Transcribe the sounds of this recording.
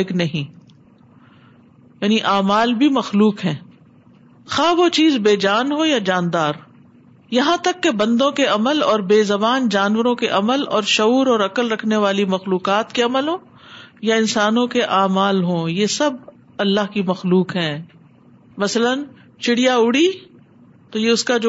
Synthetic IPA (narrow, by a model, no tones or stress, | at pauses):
knɐɦĩː | jaːniʔaːmaːlbʱimɐxluːkɦɛ̃ː | xaːʋot͡ʃiːzbeːd͡ʒaːnɦojad͡ʒaːnd̪aːɾ | jɐɦãt̪ɐkːebɐ̃nd̪õkeɐməlɔːɾbeːzɐbaːnd͡ʒaːnʋəɾõkeʔɐməlɔːɾʃɐuːɾɔːɾɐkəlɾɐkʰneʋaːlimɐxluːkaːt̪keɐməlɦõː | jaɪ̃nsaːnõkeʔaːmaːlɦõːjesɐb | ɐlːaɦkimɐxluːkɦɛ̃ː | mɐslən | t͡ʃɪɽijaʊɽi | t̪ojeʊskad͡ʒo